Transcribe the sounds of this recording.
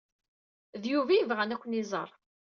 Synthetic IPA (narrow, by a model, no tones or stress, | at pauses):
ðjuvæjəvʁænækʷːənizˤɑ̰ɾˤ